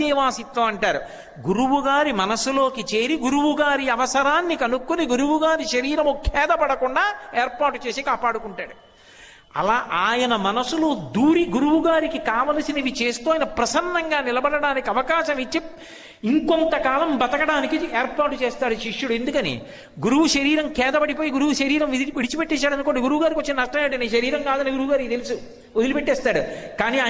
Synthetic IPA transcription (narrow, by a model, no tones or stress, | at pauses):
iːʋaːsit̪ːoːɐɳʈaːɾu | ɡuɾuʋuɡaːɾimɐnɐsulo̞ːkit͡ʃe̞ːɾiɡuɾuʋuɡaːɾiɐʋɐsɐɾaːnːikɐnukːuniɡuɾuʋuɡaːɾiʃɐɾiːɾɐmukʰɛːd̪ɐpɐɽɐkuɳɖaːeːɾpaːɾʈːut͡ʃe̞ːsikaːpaːɽukuɳʈaːɽu | ɐ̰laːʔaːjɐnɐmɐnɐsulud̪uːɾiɡuɾuʋuɡaːɾikikaːʋaːlɐsinɐiʋit͡ʃe̞ːst̪uːaːjnɐpɾɐsɐnːɐŋɡaːnilɐbɐɽɐɽaːnikiɐʋɐkaːʃɐmit͡ʃːi | iŋkont̪ɐkaːlɐmbɐt̪ɐɡɐɽaːnikiɛːɾpaːɾʈːut͡ʃeːst̪aːɽuʃiʂːuɽuend̪ukɐnḭː | ɡuɾuʋuʃɐɾiːɾɐmkɛːd̪ɐbɐɽipoːjiɡuɾuʋuʃɐɾiːɾɐmiʋiɽit͡ʃipeʈːɛːsaːɽɐnkoɳɖiɡuɾuʋuɡaːɾikiʋot͡ʃːinɐnɐʂʈɐmːɽineːʃɐɾiːɾɐŋkaːd̪ɐnːeɡuɾuʋuɡaːɾit̪elisu | od̪ilipeʈːɛːst̪aːɽukaːniːa